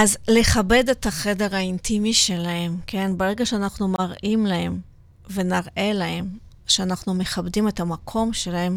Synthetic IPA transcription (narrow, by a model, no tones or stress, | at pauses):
ʔazle̞χabe̞de̞taχe̞de̞ʁaintimiʃe̞lahe̞mkʰe̞nbeʁe̞ɡaʃeanaχnumaʁʔimlahe̞m | ve̞naʁʔe̞lahe̞m | ʃeanaχnume̞χabdimethamakʰo̞mʃe̞lahe̞m